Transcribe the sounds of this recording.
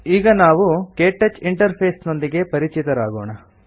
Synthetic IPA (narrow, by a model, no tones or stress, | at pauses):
iːɡɐnaːʋukeːʈːet͡ʃiɳʈɐɾpʰeːsno̞nd̪iɡe̞pɐɾit͡ʃit̪ɐɾaːɡoːɳɐ